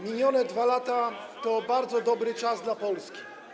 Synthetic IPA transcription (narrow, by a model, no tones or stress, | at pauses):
mʲeɲɔnɛd̪valat̪a | t̪ɔbaɾd̪zɔd̪ɔbɾɘt͡ʂazd̪lapɔlskʲi̥